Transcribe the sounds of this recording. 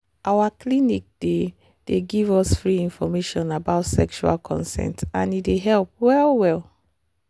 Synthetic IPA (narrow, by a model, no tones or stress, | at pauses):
ʔawaklinik̚d̥e | d̥eɡivɔsfɹiĩnfɔmeʃɔ̃nabaʊtsɛ̰kʃua̰lkʰɔ̰̃nsɛ̰̃ntãnideɦɛlp̚wɛlwɛl